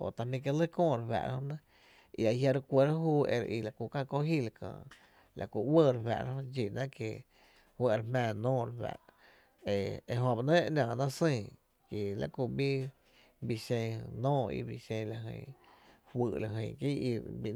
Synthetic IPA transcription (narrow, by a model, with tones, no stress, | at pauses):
o̰˨t̪a˧mĩ˧k̬e˧lə˦kõː˦˨ɾwa̰˧ʔɾa̰˦hõ˦nə̃˦ | i˧a˧˨ɦja˧ɾkʷə˧ɾa˦ɦuː˦˧ḛ˧ɾʔi˧˨la˨ku˧˨kã˦˧ko˦hi˦la˧kã̰ː˧˨ | lʔa̰˨ku˧˨wə˦˨ɾɸa̰˧˨ʔɾa˦hõ˦d͡ʒi˨nã˦ke˧ | hwə˦˧ɾmãː˧˨nɔ̃ː˦ɾɸa̰˨ʔ | e˧e˧ɦõ˧ba˨nə̃˦ʔnʲãː˨nã˦sĩ˧˨ | ke˨la̰˦ʔku˧˨bi˦ | bi˧sẽ˧nɔ̃ː˦˨ḭ˧bi˧˨sẽ˧la˧˨ɦə̰̃˧˨hʷɨː˧˨ʔla˨ɦə̃˧˨ki˦i˧bi˧